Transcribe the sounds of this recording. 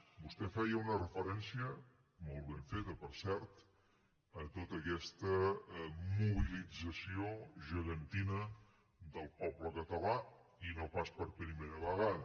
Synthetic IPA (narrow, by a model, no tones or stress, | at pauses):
bust̪ɛfɛjəunərəfəɾɛnsiə | molˠβeɱfet̪əpəɾsɛɾt̪ | ət̪ot̪əkɛst̪ə | muβilid͡zəsioʒəɣənt̪inə | d̪əlˠpɔbləkət̪əla | inopaspəɾpɾimeɾəβəɣaðə